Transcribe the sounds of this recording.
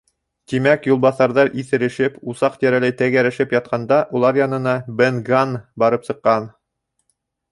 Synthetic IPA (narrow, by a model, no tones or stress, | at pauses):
t̪imækjulˠbɑθɑɾðɑɾʔiθɘ̆ɾɘ̆ʃɘpusɑqt̪æɾælæjt̪æɡæɾɘ̆ʃɘpjɑt̪̚qʰɑnd̪ɑʔulˠɑɾjɑnɤ̆nɑbenɡanbɑɾɤpsɤ̆qːɑn